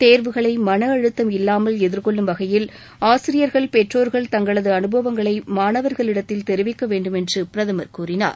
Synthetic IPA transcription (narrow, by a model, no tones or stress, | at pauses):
t̪eːɾʋɯɣɐɭɐɪmɐnɐɐɻɯt̪ːɐmɪlːaːmɐlɛðɪɾkɔɭːɯmʋɐɣɐjɪl | aːsɪɾɪjɐɾɣɐɭpɛʈroːɾɣɐɭt̪ɐŋɡɐɭɐðɯɐnɯbɐʋɐŋɡɐɭɐɪmaːnɐʋɐɾɣɐɭɪɽɐt̪ːɪlt̪ɛɾɪʋɪkːɐʋeːɳɖɯmɛndrɯpɪɾɐðɐmɐɾkuːrɪna̰ːɾ